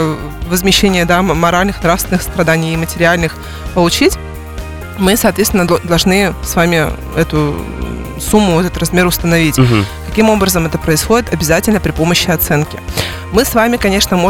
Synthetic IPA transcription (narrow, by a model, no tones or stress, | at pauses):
vəzmʲɪɕːenʲɪjəd̪amɐɾalʲnɨxnɾafst̪vʲɪnɨxst̪ɾɐd̪anʲɪjɪmətʲɪɾʲɪalʲnɨx | pəlˠʊt͡ɕitʲ | mɨsɐːt̪vʲet̪vʲɪnəd̪ɐlˠʐnɨsvamʲɪ | ɛt̪ʊ | sumːʊɛt̪ət̪ɾɐzmʲe̞ɾʊst̪ənɐvʲitʲkɐkʲimo̞bɾəzəmɛt̪əpɾəɪsxo̞dʲɪt̪ɐbʲɪzatʲɪlʲnəpɾʲɪpo̞məɕːɪɐt̪sɛnkʲɪ | mɨsvamʲɪkɐnʲe̞ʂnəmo